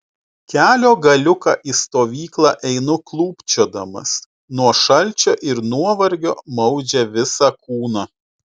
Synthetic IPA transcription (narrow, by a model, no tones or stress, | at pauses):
kʲæːlʲoːɡɐlʲʊkɑ̰ːʔiːst̪oːʋʲiːklˠɑːʔɛɪnʊklˠuːpʲt͡ʃʲoɔd̪ɐmɐ̰s | nuɔʃɐlʲt͡ʃʲoːʔɪɾnuɔʋɐɾʲɡʲoːmɒʊd͡ʒʲɛʋʲɪsɑːkuːnɑ